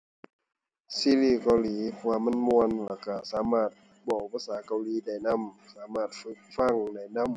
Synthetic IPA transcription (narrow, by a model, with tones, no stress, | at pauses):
siː˧˥˨liː˧˩kɔː˧˩liː˨˦pʰɔ˧waː˧˨ma˧˥˨nmu˧ənlaː˧˩ka˧˩saː˨˦maː˧˩t̪̚ | bɔː˧˩pʰaː˧˥saː˨˦ka˧˩wliː˨˦da˧˩jna˧˥˩msaː˨˦maː˧˩t̪̚fɯ˧˦k̚fa˧˩˨ŋda˧˩jna˧˥˨m